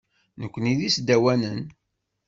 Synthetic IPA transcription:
nəkʷːəniðisd̪æwænən

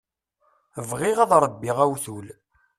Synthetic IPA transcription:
vʁɪʁɑðˤɾˤəbːiʁæwθul

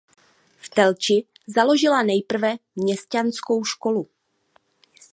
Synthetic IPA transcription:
ft̪ɛlt͡ʃɪ | zalo̞ʒɪlanɛjpr̩vɛmɲɛscansko̞wʃko̞lu

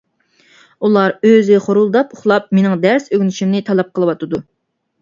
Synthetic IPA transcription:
ulˠɑɾøzɪχoɾulˠd̪ɑpʊχlˠɑp̚menɪŋd̪æɾsøɡʲnɪʃimnɪt̪ʰɑlˠɑp̚qʰəlˠɨwɑt̪ʰɨd̪u

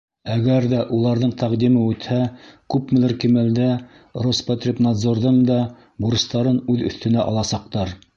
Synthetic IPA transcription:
æɡæɾðæʔulˠɑɾðɤɴt̪æqd̪imɘʉt̪hækʉpmɘ̆lɘɾkimæld̪æ | rospɐt̪rʲepnɑd̪zoɾðɤɴd̪ɑ | buɾɤ̆st̪ɑɾɤnʉðɵ̰̆θt̪ɘ̆næʔɑ̰lˠɑsɑq̚t̪ɑɾ

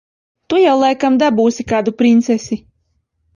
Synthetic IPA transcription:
t̪ujawlˠajkamd̪abuːsʲikaːd̪upɾint̪sɛsʲi

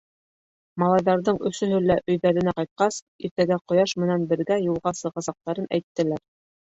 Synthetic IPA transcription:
mɑlˠɑjðɑɾðɤɴɵ̆sɵɦɵ̆lːæʔɵ̆jðæɾɘ̆næqɑjt̪̚qɑs | iɾt̪æɡæqŏjɑʃmɘ̆nænbɘ̆ɾɡæjulˠʁɑsɤ̆ʁɑsɑq̚t̪ɑɾɤnʔæ̰jt̪ːɘ̆læɾ

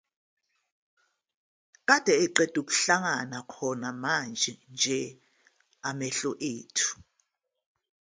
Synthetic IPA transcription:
k̬ʼad̥ʱɛɛǃɛd̥ʱuk̬u̥ɬaŋanakʰɔnamand͡ʒʱɛnd͡ʒʱɛ | amɛɬɔʔeːtʰu̥

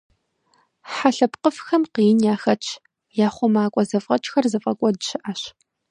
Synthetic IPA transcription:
ħaɬɐpqəfxɐmqijɪnjaːxɐt͡ʃʼʰ | jaːχʷʊmaːkʷʼɔzɐfʁɐt͡ʃʼxɐrzɐfʼɐkʷʼɔdɨɕɪʔaɕ

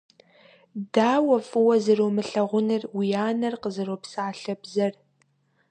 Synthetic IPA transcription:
daːwɐfʼɨwɐzɨromɨɬɐʁʷʊnɨrwijaːnɐrqəzɨroːpsaːɬɐbzɐr

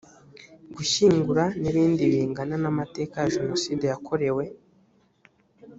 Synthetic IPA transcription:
ɡuʃiːŋɡuɾaniβiːndiβiːŋɡananamate̞ːkajaʒeno̞sidejakʰo̞ɾe̞we̞

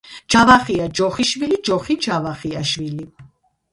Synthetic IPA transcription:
d͡ʒʰavaχiad͡ʒɔχiʃvilid͡ʒɔχid͡ʒʰavaχiaʃvili

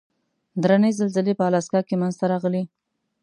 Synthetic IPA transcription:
d̪ɾanəjzɪlzəlepəalɑskɑkemanzt̪aɾɑɣəli

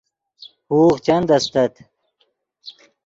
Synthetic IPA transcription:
huːχt͡ɕɐnd̪ɐst̪ɐt̪

